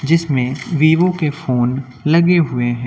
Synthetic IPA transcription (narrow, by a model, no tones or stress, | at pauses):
d͡ʒɪsmẽʋiːʋõkefoːn | lɐɡeɦʊeɦɛ̃